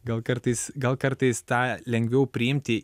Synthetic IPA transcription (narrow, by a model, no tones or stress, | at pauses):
ɡɐlˠkɐɾt̪ɐɪsɡɐlˠkɐɾt̪ɐɪst̪ɑːlʲɛŋʲɡʲʋʲɛʊpʲɾʲɪɪmʲt̪ʲɪ